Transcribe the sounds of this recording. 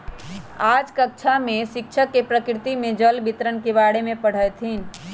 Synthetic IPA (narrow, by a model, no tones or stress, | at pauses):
ad͡ʒkək̚t͡ʃʰamesɪkt͡ʃʰəkːepɾəkɾɪt̪imẽd͡ʒəlbit̪ɾənkeβaɽemẽpəɽ̤əjt̪ʰin